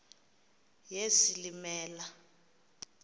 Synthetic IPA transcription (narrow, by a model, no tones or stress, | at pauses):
jezilimɛːla